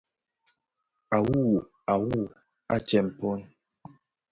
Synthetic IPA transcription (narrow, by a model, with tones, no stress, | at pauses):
a˨wu˦˨ | a˨wu˦˨ | a̰˦t͡ʃɛ˨m̩˨pɔ˦n